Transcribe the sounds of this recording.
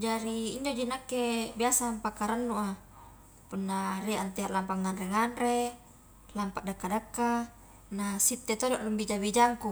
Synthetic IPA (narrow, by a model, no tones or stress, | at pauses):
d͡ʒaɾiːɲd͡ʒod͡ʒinakːebiasampakːaɾənːuʔa | punːariʔant̪eaʔlampaŋːanreŋanre | lampaʔdakːadakːa | nasit̪ːet̪odoʔlumbid͡ʒabid͡ʒaŋku